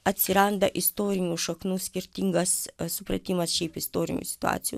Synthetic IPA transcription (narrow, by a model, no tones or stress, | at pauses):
ɐt̪ʲsʲɪɾɐnd̪ɐʔɪst̪oːɾʲɪnʲuːʃɐknuːsʲkʲɪɾʲt̪ʲɪŋɡɐssʊpɾɐ̰t̪ʲimɐsʃʲɛɪpɪst̪oːɾʲɪ̰nʲṵːsʲɪ̥t̪ʊa̰ːt̪sʲɪjṵː